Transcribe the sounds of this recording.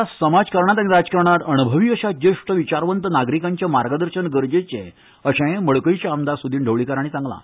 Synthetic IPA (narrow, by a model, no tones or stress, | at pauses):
asəmad͡zkəɾɳ̃at̪aniɾad͡zkəɾɳat̪əñubʱəʋiːəɕad͡ʑeʂʈəʋit͡ɕaɾʋənt̪ənaɡɾikãɲt͡ɕjamaɾɡəd̪əɾɕənɡəɾd͡ʑet͡ɕḛ̃ | əɕẽməɭkəjt͡ɕaəmd̪asud̪ʱiːɳɖʱəʋɭikaɾaɽ̃it͡sãŋɡla̰